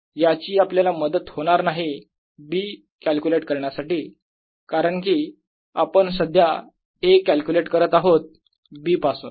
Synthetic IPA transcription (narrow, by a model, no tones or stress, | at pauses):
jat͡ɕiːapljalaməd̪ət̪hoɽ̃aɾnaɦi | biː | kælkʲuleʈkəɾɳjasaʈiː | kaɾəɳkiː | apəɳsəd̪ʱja | ekːælkjuleʈkəɾət̪aɦot̪̚ | biːpasun